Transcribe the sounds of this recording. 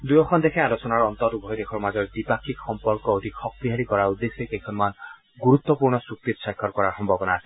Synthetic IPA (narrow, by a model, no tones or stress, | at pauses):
d̪ujɔkʰɔnd̪ekʰealosɔnaɾɔnt̪ɔt̪ubʱɔjd̪ekʰɔɾmad͡ʒɔɾd̪ipakʰikxɔmpɔɾkɔod̪ʱikʰɔk̚piɦaɾikɔɾaud̪ːesɔkejkʰɔnuman | ɡuɾut̪ːɔpuɾɳɔsuk̚t̪it̪sajkʰːɔɾkɔɾaɦɔmbʱɔbɔnas